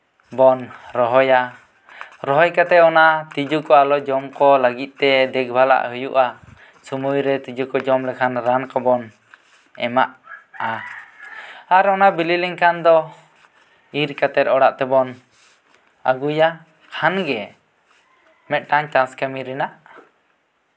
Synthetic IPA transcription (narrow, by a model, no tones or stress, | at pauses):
bɔnɾɔɦɔja | ɾɔɦɔjkat̪ɛɔnat̪id͡ʒukɔalɔd͡ʒɔmkɔləɡit̪̚t̪ɛd̪ɛk̚bʱala̰ʔhujṵʔa | sumujɾɛt̪id͡ʒukɔd͡ʒɔmlɛkʰanɾankɔbɔn | ɛmaʔa | aɾɔnabililiŋkʰand̪ɔ | iɾkat̪ɛɾ̚ɔɽaʔt̪ɛbɔn | a̰ɡuja | kʰanɡɛ | mɛt̪̚ˀʈaɲt̪askamiɾɛnaʔ